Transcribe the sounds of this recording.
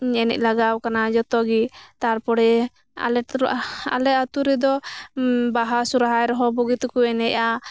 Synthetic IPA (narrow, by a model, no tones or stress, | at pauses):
ɲɛnɛ̰c̚ˀlaɡawkanad͡ʒɔt̪ɔɡit̪aɾpɔɽɛ | a̰lɛa̰lɛt̪at̪uɾɛd̪ɔ | baɦasuɾaɦajɾɔɦɔbɔɡit̪kuɛnɛcʔa